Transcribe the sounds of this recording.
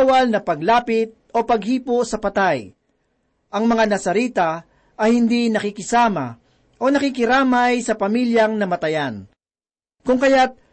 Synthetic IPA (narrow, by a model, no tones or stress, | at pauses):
wɐlnɐpɐɡlaːpɪt̪̚o̞pɐɡhiːposɐpɐt̪aj | ʔɐŋmɐŋanɐsɐɾiːt̪ɐ | ʔɐjhɪnd̪inɐkɪkɪsaːmɐ̰ | ʔo̞nɐkɪkɪɾaːmɐjsɐpɐmiljɐŋnɐmɐt̪ɐjan | kʊŋkɐjat̪̚